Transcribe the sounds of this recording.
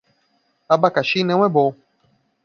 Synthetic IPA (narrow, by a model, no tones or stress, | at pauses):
abakaʃinɛ̃w̃ɛbo